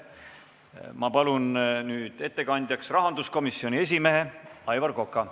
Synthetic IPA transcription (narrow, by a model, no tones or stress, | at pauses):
mɑpɑlunnyːd̪̥e̞t̪ːe̞kɑnʲd̪̥ʲjɑksrɑɦɑnd̪usko̞misːio̞nʲie̞s̬ʲime̞ɦe̞ɑjvɑrko̞kːˑɑ